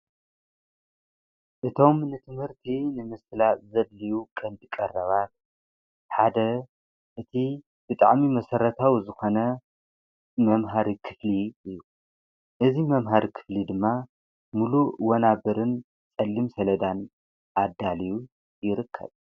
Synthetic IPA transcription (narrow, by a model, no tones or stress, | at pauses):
ʔɨt̪ʰo̞mnɨt̪ʰɨmhɨɾt̪ʰinɨmɨslazɐdlijukʼɐnd̪ikʼɐrːɐβat̪̚ | ħad̪ɐ | ʔɨt̪ʰi | b̥ɨt̪ʼa̰ʕmimɐsɐɾɐt̪ʰawzɨxo̞nɐ | mɐmɦaɾikʰɨ̥fliɨjːu | ʔɨzimɐmɦaɾikʰɨ̥flid̪ɨmːa | muluwɐnabɨɾɨn | t͡sʼɐlːimsɐlɐd̪an | ʔad̪aliju | jɪɾɨkʰːɐ̰β